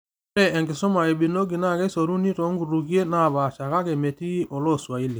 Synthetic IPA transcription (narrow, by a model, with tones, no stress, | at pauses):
ɾɛ˨ɛ˨ŋɡɪ˨sɔ˦ma˨e˨ɓi˨no˦ɡi˨na˦˨ke˦so˨ɾu˦ni˦to˨˦ŋɡu˨ɾu˨ki˦e˦na˦˨βa˨ʃa˨ka˦ke˨me˨ti˦ʔo˨lo˦˨swa˨i˦le˨